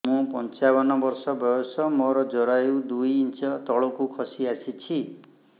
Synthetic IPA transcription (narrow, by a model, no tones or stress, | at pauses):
mũpɔnt͡ʃabɔnɔbɔɾsɔbɔjɔsɔmɔɾɔd͡ʒɔɾajud̪ujint͡ʃɔt̪ɔɭokukʰɔsiasit͡ʃʰi